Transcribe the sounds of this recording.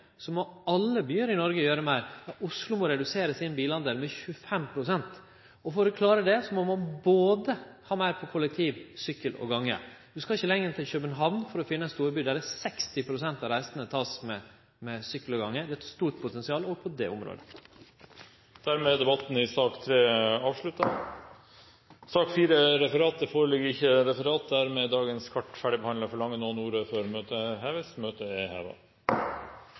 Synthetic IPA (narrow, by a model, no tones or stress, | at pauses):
sɔmɔɑlːəbyːəɾɪnɔɾɡəjøːɾəmæɪɾɑʊslʊmɔɾɛd̪ʉseːɾəsɪnbiːlɑnd̪əlmɛçʉəfɛmpʰɾʊsɛnt̪ | ɔfoːɾɔkʰlɑːɾəd̪ɛsɔmɔmːɑnboːd̪əhɑːmæɪɾpʰɔkʰʊlːɛk̚t̪ʰiːʋsʏkːəlɔ̰ɡɑŋːə̰d̪ʉskɑɪçːəlɛŋːɾt̪ɪlçøbənɦɑːʋnfɔɾɔfɪnːəst̪uːɾbyːd̪æɾɛsɛkst̪ɪpʰɾʊsɛnt̪ɑʋɾæɪsənət̪ʰɑːsmɛ | mɛsʏkləɡɑŋːəd̪ɛt̪st̪uːʈ̚pʰʊt̪ʰɛnsɪɑːlɔɡpʰɔd̪ɛ̰ːʊmɾo̰ːd̪ə | d̪̥æɾmɛːd̪ɛbɑt̪n̩ɪsɑːkt̪ʰɾeːɑːʋʂɭʉt̪ɑ | sɑːkfiːɾəɾɛfəɾɑːt̪̚d̪ɛfoːɾəlɪɡəɾɪçːəɾɛfəɾɑːt̪̚d̪æɾmɛd̪ɑːɡənskʰɑʈːfæɖɪbəhɑnd̪ləɾfɔɭɑŋːənoːnuːɾəføːɾmøːt̪əɦɛːʋəsmøːt̪əehḛːʋə̰